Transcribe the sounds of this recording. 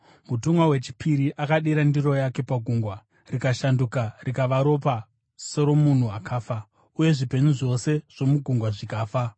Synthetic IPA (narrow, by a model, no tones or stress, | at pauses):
mutumwawe̞t͡ʃi̥piɾiʔakaɗiɾandiro̞jake̞paɡʱuŋɡwa | rikaʃandukarikaʋaɾo̞p̬a | soɾo̞mun̤uakʰaːfa | uje̞ʐipe̞ɲuʐo̞se̞ʐ̥o̞muɡʱuŋɡwaʐikaːfa